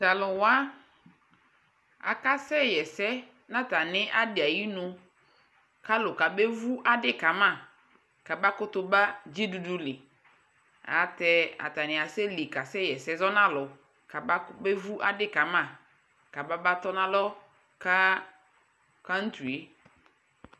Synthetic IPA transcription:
ta˨lʊ˨wa˦ | a̰˨ka˦sɛ˦jɛ˨sɛ˦ | nã˦ta˨nɪ˦ʔa˦dɪ˨a˨ji˦nʊ̃˨ | ka˦lʊ˨ka˨be˦vu˦ʔa˦dɪ˦ka˨mã˦˨ | ka˨ba˦kʊ˦tʊ˦ba˦d͡ʒi˦du˨du˦lɪ˨ | a̰˨tɛ˦a̰˨ta˨nɪ̃˨a˨sɛ˦li˨ka˨sɛ˦˨jɛ˨sɛ˦zɔ˦nã˦lʊ˨ | ka˨ba˦be˦vu˦ʔa̰˦dɪ˦ka˨mã˦˨ | ka˨ba˦ba˦tɔ˦nã˦lɔ˦ | ka˦ | ka˦n̩˦tu˨e˦

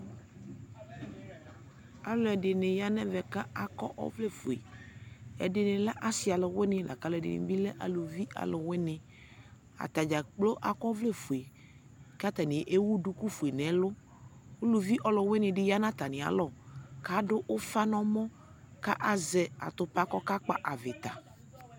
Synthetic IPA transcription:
a˨lʊ˨ɛ˨dɪ˨nɪ̃˨ja˦nɛ̃˦vɛ˨ka˦a˨kɔ˦ʔɔ̰˦vle˦fu˨ḛ˨ | ɛ̰˨dɪ˨nɪ̃˨la˦ʔa˦sɪ˨˦a˨lɪ˨we˦nɪ̃˦la̰˨ka˦lɛ˨dɪ̰˨nɪ̰̃˨bi˦lɛ˦ʔa̰˨lu˨vi˦ʔa̰˨lʊ˨wɪ˦nɪ̃˨ | a̰˨t̪a˨d͡ʒa˨k͡plo˦ʔa˨kɔ˦vle˦˨fu˨e˨ | ka˦t̪a˨nɪ̃˨ʔe˦wu˦ɖu˦ku˦fu˨e˨nɛ̃˨˦lʊ˦ | wo˦lu˨vi˦ʔɔ˨lʊ˨we˦nɪ̃˨ɖɪ˦ja˦nã˦t̪a˨nɪ̃˨a̰˨lɔ˦˨ka˦ɖʊ˦ʔo˦fa˦nɔ̃˦mɔ̃˦ | ka̰˦ʔa˨zɛ˨a̰˨t̪ʊ˨pa˦kɔ˦ka˦k͡pa̰˦ʔa˨vɪ˨t̪a˨

